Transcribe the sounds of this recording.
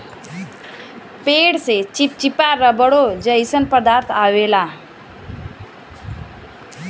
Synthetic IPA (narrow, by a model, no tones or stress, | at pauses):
peːɽset͡ʃip̚t͡ʃipaɾəbəɽod͡ʒəisənpəd̪aːɾt̪ʰaʋela